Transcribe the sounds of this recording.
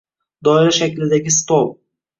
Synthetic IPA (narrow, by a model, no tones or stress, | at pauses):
d̪ɒɪɾʃakʲlɪd̪aɡʲɪst̪olˠ